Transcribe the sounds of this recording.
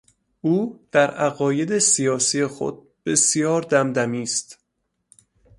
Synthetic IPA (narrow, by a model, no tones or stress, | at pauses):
ʔuːd̪̥æɾæɣɒːje̞d̪esijɒːsije̞xo̞̰d̪̚b̥e̞sijɒːɾd̪æmd̪æmiːst̪